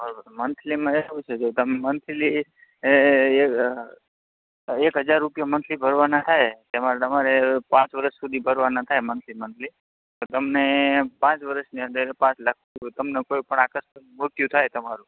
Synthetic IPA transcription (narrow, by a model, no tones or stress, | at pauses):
bəɾbmənt̪ʰlimãeʋũt͡ʃʰed͡ʒot̪əmemənt̪ʰli | e | ekɦəd͡ʒaɾːupijamənt̪ʰlibʱəɾʋanat̪ʰajt̪emat̪əmaɾepãt͡ʃʋəɾəʃsud̪ʱibʱəɾʋanat̪ʰajmənt̪ʰlimənt̪ʰli | t̪ot̪əmnepãt͡ʃʋəɾəʃniə̃nd̪əɾpãt͡ʃlakʰt̪ut̪əmnekoipəɳakəst̪ənmot̪jũt̪ʰajt̪əmaɾũ